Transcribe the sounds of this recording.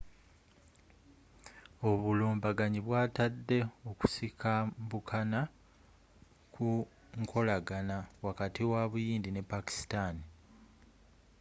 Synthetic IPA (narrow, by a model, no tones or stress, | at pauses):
o̞βuluːmbaɡaɲiβwaːtadːe̞o̞ku̥sikʰambukʰana | ku | ŋkʰo̞laɡanawakatiwaβujiːndine̞pːaki̥stani